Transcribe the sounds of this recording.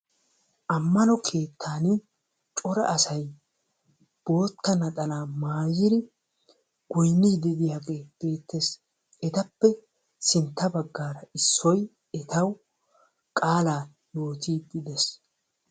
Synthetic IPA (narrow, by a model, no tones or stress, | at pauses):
ʔɐmːɐnɔkʰe̞ːt̪ʰːaːnɪ | t͡ʃʼɔɾɐ̰ʔɐsɐj | b̥o̞ːt̪ːɐnɐt̪ʼɐlaːmaːjɪɾɪ | ɡ̥ʊjnːɪd̪ɪd̪ɪjaːɡeːb̥e̞ːt̪ːes | ɛt̪ɐpːɛ | sɪnt̪ːɐbɐɡːaːɾɐɪsːɔj | ɛt̪ɐw | kʼaːlaː | jo̞ːt̪iːd̪ɪd̪ɛs